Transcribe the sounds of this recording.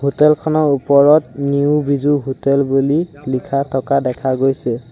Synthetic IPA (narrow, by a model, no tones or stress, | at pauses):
ɦotɛlkʰɔnɔɹupɔɹɔtniʊbizuɦotɛlbulilikʰatʰɔkadɛkʰaɡojsɛ